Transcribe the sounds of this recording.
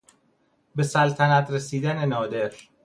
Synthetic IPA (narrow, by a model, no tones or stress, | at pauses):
be̞sælt̪ʰænæt̪ʰɾesiːd̪ænenɒːd̪e̞ɾ